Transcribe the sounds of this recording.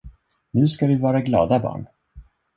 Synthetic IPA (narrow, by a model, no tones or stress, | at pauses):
nʉ̟ːskad̪ɵvɑːɾaɡlɑ̰ːd̪abɑ̰ːɳ